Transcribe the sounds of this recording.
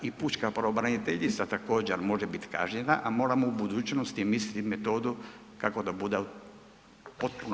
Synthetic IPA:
ipuːt͡ʃkapɾaobɾanit̪eʎit̪sat̪ako̞ːd͡ʑeɾmo̞ʒebit̪ka̰ːʒɲenaʔamo̞ːɾamo̞ubud̪uːt͡ɕnost̪imislit̪imet̪o̞ːd̪u | kako̞d̪abud̪e | po̞t̪̚puno

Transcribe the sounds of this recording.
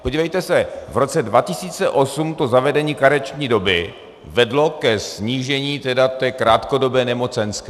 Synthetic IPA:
poɟiːvɛjt̪ɛsɛvɾo̞t͡sɛdvacɪsiːt͡sɛʔo̞sumt̪o̞zavɛdɛɲiːkaɾɛt͡ʃɲiːdo̞bɪ | vɛdlo̞kɛsɲiːʒɛɲiːt̪ɛdat̪ɛːkɾaːt̪ko̞do̞bɛːnɛmo̞t͡sɛnskɪ

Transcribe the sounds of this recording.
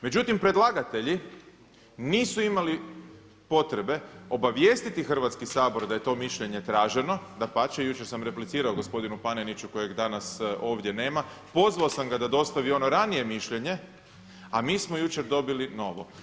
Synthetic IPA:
me̞d͡ʑut̪impɾe̞d̪lˠaɡat̪e̞ʎi | niːsuimali | po̞t̪ɾe̞be̞o̞baʋje̞st̪it̪ixr̩ʋat̪skisaːbo̞ɾd̪aje̞t̪o̞ːmiʃʎeɲe̞t̪ɾaːʒe̞no̞d̪apat͡ʃejut͡ʃe̞ɾsamɾe̞plit̪siːɾaoɡospo̞d̪inupanenit͡ɕuko̞je̞ɡd̪anaso̞ːʋd̪je̞ne̞ːma | po̞zʋaosamɡad̪ad̪o̞st̪aʋio̞no̞ɾanije̞miʃʎe̞ɲe̞ | amiːsmo̞jut͡ɕe̞ɾd̪o̞bilino̞ʋo̞̰

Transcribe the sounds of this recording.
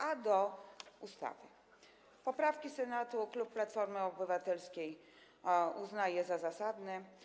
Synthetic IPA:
ad̪ɔust̪a̰vɘ̰ | pɔpɾafkʲisɛnat̪uklupːlat̪fɔɾmɘɔbɘvat̪ɛlskʲej | uznajɛzazasad̪nɛ

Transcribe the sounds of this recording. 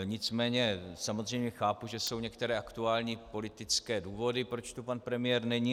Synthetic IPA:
ɲɪt͡smɛːɲɛsamo̞zr̝ɛjmɲɛxaːpuʒɛso̞wɲɛkt̪ɛɾɛːʔakt̪uaːlɲiːpo̞lɪt̪ɪt͡skɛːduːvo̞dɪpɾo̞t͡ʃt̪upanpɾɛmɪjɛɾnɛɲiː

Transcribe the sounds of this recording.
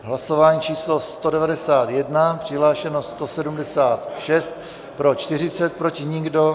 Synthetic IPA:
ɦlaso̞vaːɲiːt͡ʃiːslo̞st̪o̞dɛvadɛsaːt̪jɛdnapr̥ɪɦlaːʃɛnost̪o̞sɛdumdɛsaːt̪ʃɛst̪̚ | pɾo̞t͡ʃt̪ɪr̝ɪt͡sɛt̪̚pɾo̞cɪɲɪɡdo̞

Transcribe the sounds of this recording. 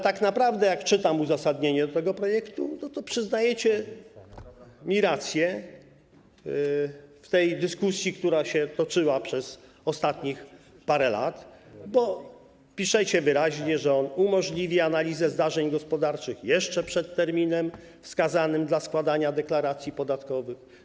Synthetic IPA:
t̪aknapɾavd̪ɛjakt͡ʂɘt̪amuzasad̪ɲeɲɛd̪ɔt̪ɛɡɔpɾɔjɛkt̪unɔt̪ɔpʂɘznajɛt͡ɕɛ | mʲiɾat̪sʲjɛ | ft̪ɛjd̪ɘskusʲjikt̪uɾaɕɛt̪ɔt͡ʂɘwapʂɛs | ɔst̪at̪ɲixpaɾɛla̰t̪bɔ | pʲiʂɛt͡ɕɛvɘɾaʑɲɛʐɛɔnumɔʐlʲivʲianalʲizɛzd̪aʐɛɲɡɔspɔd̪aɾt͡ʂɘxjɛʂt͡ʂɛpʂɛt̪ːɛɾmʲinɛm | fskazanɘmd̪laskwad̪aɲad̪ɛklaɾat̪sʲjipɔd̪at̪kɔvɘx

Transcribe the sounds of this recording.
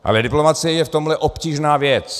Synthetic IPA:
ʔa̰lɛdɪplo̞mat͡sɪjɛjɛft̪o̞mlɛʔo̞pciːʒnaːvjɛt͡s

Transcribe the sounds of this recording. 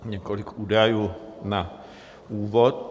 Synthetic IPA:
ɲɛkolɪkʰuːdajuːna | uːvot̪̚

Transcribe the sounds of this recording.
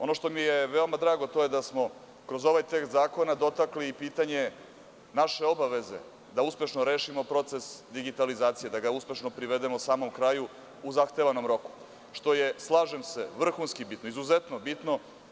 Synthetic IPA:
o̞no̞ʃt̪o̞mijeʋeomad̪ɾaːɡot̪o̞jed̪asmo̞ | kɾo̞zo̞ʋajt̪ekst̪zaːko̞nad̪o̞t̪akliːpiːt̪aɲe̞ | naʃe̞o̞baʋe̞ze̞̰ | d̪auspe̞ʃno̞ɾeːʃimo̞pɾo̞t̪se̞sd̪iɡit̪alizaːt̪sije̞d̪aɡauspe̞ʃno̞pɾiʋe̞d̪e̞mosaːmo̞mkɾaju | uzaxt̪e̞ʋano̞mɾo̞ku̥ | ʃt̪o̞je̞slˠaːʒemse̞ʋr̩xunskibit̪noizuzet̪no̞bit̪no̞

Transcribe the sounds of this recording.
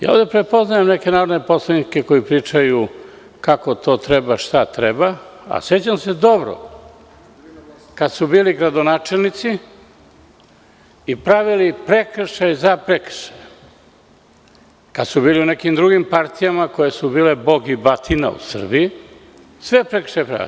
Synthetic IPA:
ja̰o̰ːd̪e̞pɾe̞po̞znajemne̞ke̞naːɾod̪ne̞po̞slˠanikeko̞jipɾiːt͡ʃaju | kako̞t̪o̞ːt̪ɾe̞baʃt̪at̪ɾebaa̰se̞t͡ɕamse̞d̪o̞bɾo̰ | kad̪subiːliɡɾad̪o̞naːt͡ʃelnit̪si | ipɾaʋilipɾe̞kr̩ʃajzapɾe̞kr̩̥ʃaj | kad̪subiːliune̞kimd̪ɾuɡimpaɾt̪ijamako̞je̞subiːle̞bo̞ɡibat̪ʰina̰ṵsr̩biji | sʋe̞pɾekɾ̥ʃajepɾa̰

